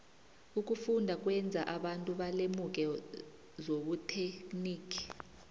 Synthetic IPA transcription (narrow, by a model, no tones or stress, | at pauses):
uk̬ʼufundʱak̬ʼwɛnd͡zʱaʔaɓantʼuɓalemuk̬ʼɛ | zoɓutʰeniːkʰi̥